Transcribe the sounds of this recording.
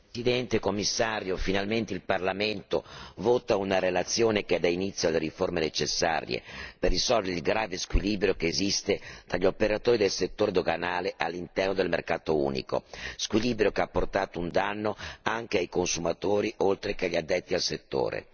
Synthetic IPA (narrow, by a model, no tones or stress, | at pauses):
sid̪ɛnt̪ekomːisːaːɾjofinalment̪eilparlament̪o̰voːt̪aunaɾelat̪sːjoːnekeɛd̪ainit̪sːjod̪elːeɾiformenet͡ʃesːa̰ːɾjḛperːisɔlvɾilɡɾaːveskwiliːbɾjokeːzist̪et̪ɾaʎːiopeɾat̪oːɾid̪elset̪ːoːɾed̪oɡanaːleʔalːint̪ɛrnod̪elmerkaːt̪oṵːnḭko̰skwiliːbɾjokeapːort̪aːt̪ound̪anːoaŋk̟eajkonsumat̪oːɾiolt̪ɾek̟eʎiad̪ːɛt̪ːialset̪ːo̰ːɾḛ